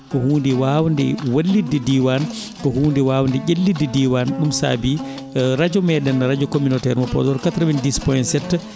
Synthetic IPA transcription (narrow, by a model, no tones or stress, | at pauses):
kɔhuːndɛwawndɛ̰walːidɛdiwan | kɔhuːndɛwaːwndɛʔelːidːɛdiwanɗumsa̰ːbi | ɾad͡ʒɔmɛɗɛnɾad͡ʒɔkominɔtɛɾmɔpɔ̰dɔɾkat̪ɾawindispɔjnsɛtː